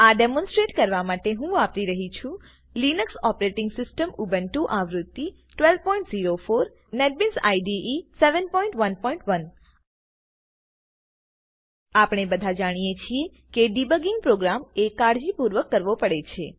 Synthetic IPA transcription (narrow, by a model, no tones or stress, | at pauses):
aɖemɔ̃nsʈɾeʈkəɾʋamaʈeɦũapɾiɾəɦit͡ʃʰũ | linəksɔpɾeʈɪŋɡsɪsʈəmubənʈũʔãʋɾut̪ːi | ʈʋɛlʋpɔĩɳʈziɾofoɾ | neʈ̚binsa̰jɖiʔiseʋənpɔĩɳʈʋənpɔĩɳʈʋən | apɽ̃ebəd̪ʱad͡ʒaɽ̃ijet͡ʃʰie | keɖibəɡɪŋɡ̚pɾoɡɾamekaɾd͡ʒipuɾʋəkːəɾʋopəɽet͡ʃʰe